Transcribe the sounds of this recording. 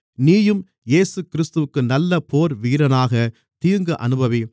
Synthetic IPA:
niːjɯm | jeːsɯkɪɾɪst̪ɯʋɯkːɯnɐlːɐpoːɾʋiːɾɐnaːɣɐ | t̪iːɾŋɡɐʔɐ̰nɯbɐʋi

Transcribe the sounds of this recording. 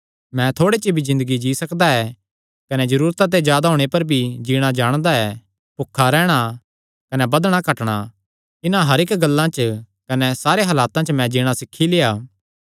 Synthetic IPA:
mɛ̃t̪ʰoːɽet͡ʃibʱizɪ̃nd̪əɡid͡ʒiːsɐkd̪aɛ | kɐnɛd͡ʒɐɾuːɾt̪at̪̬ed͡ʒjaːd̪aɦoːɽ̃epɐɾbʱid͡ʒiːɽ̃ad͡ʒaːɽ̃d̪aɛ | pʊkʰːaɾɛːɽ̃a | kɐnɛbɐd̪ɽ̃akɐʈɽ̃a | ɪnãɦɐɾɪkɡɐlːãt͡ʃ | kɐnɛsaːɾeɦɐlaːt̪ãt͡ʃmɛ̃d͡ʒiːɽ̃asɪkʰːileaː

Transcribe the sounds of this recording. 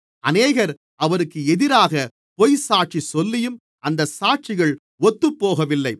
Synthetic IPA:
ʔɐneːɣɐɾ | ɐʋɐɾɯkːɯɛðɪɾaːɣɐ | pɔjsaːʈ̚t͡ʃisɔlːɪjɯm | ɐnd̪ɐsaːʈ̚t͡ʃɪɣɐɭ | ɔt̪ːɯpːoːɣɐʋɪlːɐɪ

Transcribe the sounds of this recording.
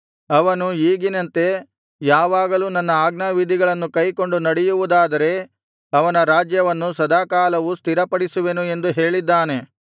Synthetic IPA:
ɐʋɐnuiːɡinɐnt̪e̞ | jaːʋaːɡɐluːnɐnːɐaːɡnɐʋid̪ʱiɡɐɭɐnːukɐjko̞ɳɖunɐɽɛjuʋud̪aːd̪ɐɾe̞ | ɐʋɐnɐɾaːd͡ʒjɐʋɐnːusɐd̪aːkaːlɐʋust̪ʰiɾɐpɐɽisuʋe̞nue̞nd̪uɦe̞ːɭid̪ːaːne̞

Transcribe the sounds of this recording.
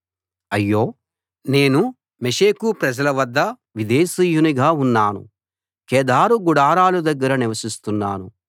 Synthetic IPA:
ɐjːo̞ː | ne̞ːnu | meʂeːkupɾɐd͡ʒɐlɐʋɐd̪ːɐ | ʋid̪eːsiːjuniɡaːunːaːnṵ | kɛːd̪aːɾuɡuɽaːɾaːlud̪ɐɡːɐɾɐniʋɐsist̪unːa̰ːnu

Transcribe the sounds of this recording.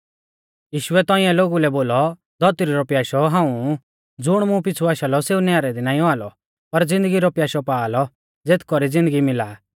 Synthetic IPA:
jiːʃʊɛt̪ɔ̃ːĩãloːɡulɛboːlɔ | d̪ɔt̪ɾiɾɔpjaːʃɔɦãːũ | d͡zʊɽ̃mũp̬ɪt͡sʰuaːʃalɔseːunaɾɛd̪inaːĩɔaːlɔ | pɐɾd͡zɪ̃nd̪əɡiɾɔpjaːʃɔpaːlɔ | d͡zeːt̪ʰkɔɾid͡zɪ̃nd̪əɡimɪlaː

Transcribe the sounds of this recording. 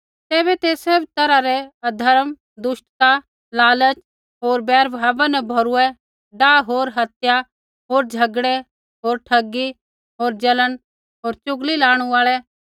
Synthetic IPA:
t̪eːβɛt̪esɐbt̪ɐɾaɾɛɐd̪ʱɐɾəm | d̪ʊʃʈt̪a | laːlət͡ʃ | ɦoːɾbɛːɾbʱaːʋanɛbʱoɾʊɛ | ɖaːɦoːɾɦɐt̪ja | ɦoːɾd͡ʒʱɐɡɽe | ɦoːɾʈʰɐɡːi | ɦoːɾd͡ʒɐləɽ | ɦoːɾt͡ʃʊɡlilaːɽ̃uaːɭɛ

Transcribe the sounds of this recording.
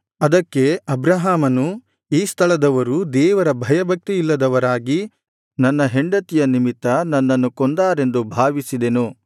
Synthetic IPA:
ɐd̪ɐkːe̞ɐbɾɐɦaːmɐnu | iːst̪ʰɐɭɐd̪ɐʋɐɾud̪ɛːʋɐɾɐbʱɐjɐbʱɐk̚t̪iilːɐd̪ɐʋɐɾaːɡi | nɐnːɐɦe̞ɳɖɐt̪ijɐnimit̪ːɐnɐnːɐnːukond̪aːɾe̞nd̪ubʱaːʋisid̪e̞nu

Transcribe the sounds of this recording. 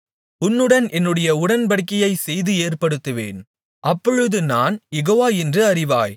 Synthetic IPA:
ʊnːɯɽɐnʔɛnːɯɽɐjɐʊɽɐnbɐɽɯkːɐjɐɪsɛjðɯeːrpɐɽɯt̪ːɯʋḛːn | ʔɐpːɔɻɯðɯnaːnjɛɣoːʋaːɛndrɯɐɾɪʋa̰ːj

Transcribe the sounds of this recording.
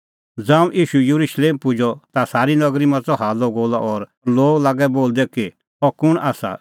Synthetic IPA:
d͡zãːũʔiːʃujuɾuʃleːmpʊd͡ʒʱɔt̪asaːɾinɐɡɾimãt͡sɔɦaːlɔɡoːlaʔɔɾ | loːɡlaːɡɛboːld̪ɛki | ɔkʊɽ̃ʔaːsa̰

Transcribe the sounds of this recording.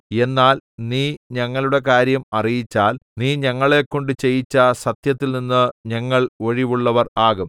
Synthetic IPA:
e̞nːaːlniːɲɐŋːɐɭuɽe̞k̬aːɾjɐmɐrijit͡ɕːaːlniːɲɐŋːɐɭe̞kːo̞ɳɖɨt͡ɕe̞jit͡ɕːɐsɐt̪jɐt̪ːilninːɨɲɐŋːɐɭo̞ɻiʋuɭːɐʋɐraːɣum

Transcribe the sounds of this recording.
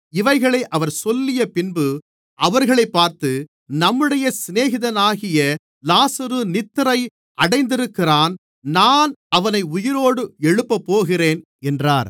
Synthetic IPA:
ɪʋɐɪɣɐɭɐʔɐʋɐɾsɔlːɪjɐpɪnbɯ | ʔɐʋɐɾɣɐɭɐɪpːaːɾt̪ɯ | nɐmːɯɽɐjɐsɪneːɣɪðɐnaːɣɪjɐ | laːsɐɾɯnɪt̪ːɯɾɐɪ | ʔɐɽɐɪnd̪ɪɾɯkːɪraːn | naːnɐʋɐnɐɪʊjɪɾoːɽɯɛɻɯpːɐpːoːɣɪreːn | ɛndraːɾ

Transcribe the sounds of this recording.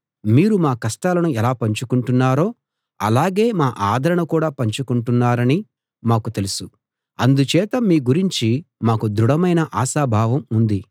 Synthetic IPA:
miːɾumaːkɐsʈaːlɐnuɛlaːpɐɲt͡ʃukuɳʈunːaːɾoː | ɐ̰laːɡe̞ːmaːʔaːd̪ʱɐɾɐɳukuːɽaːpɐɲt͡ʃukuɳʈunːaːɾɐni | maːkut̪e̞lusu | ɐnd̪ut͡ʃɛːt̪ɐmiːɡuɾiɲt͡ʃimaːkud̪ɾuɽɐmɐjnɐʔaːʃaːbʱaːʋɐmund̪i

